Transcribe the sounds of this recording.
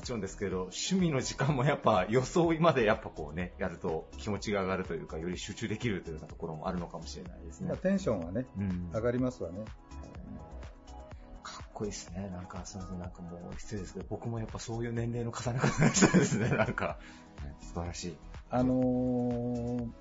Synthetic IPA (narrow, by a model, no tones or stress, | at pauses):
mot͡ɕiɾond̪esɨ̥ke̞ɾe̞d̪o̞ɕɨmʲino̞ʑikãmːo̞japːajo̞so̞ːimad̪e̞japːako̞̰ːne̞jaɾɯ̟t̪o̞kʲimo̞t͡ɕiɡaːɡaɾɯ̟t̪o̞jɯ̟ːkajo̞ɾʲiɕɨːt͡ɕɨːd̪e̞kʲiɾɯ̟t̪ojonat̪o̞ko̞ɾo̞mo̞ʔa̰ɾɯ̟no̞kamo̞ɕiɾe̞na̰id̪e̞sɨneat̪ẽ̞ɰ̃ɕõɰ̃βane̞ɯ̟̃aɡaɾʲimasɨβane̞ | kʰḁkːo̞isɨ̥ne̞nãŋkasonot̪enãŋkamo̞ːçi̥t̪t͡sjod̪eɨ̥ked̪obo̞kɯ̟mo̞japːaso̞ːjɯ̟ːnẽ̞nɾe̞ːno̞kḁsanakat̪aɡaɕi̥t̪od̪e̞sɨne̞nãŋka | nesɨbaɾaɕiːano